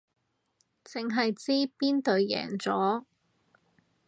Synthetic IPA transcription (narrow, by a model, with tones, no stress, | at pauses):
t͡sɪ˨ŋɦɐ˨jt͡siː˥piː˥nt̪ɵ˨ɥjɛ̰ː˨˩ŋt͡sɔː˨˥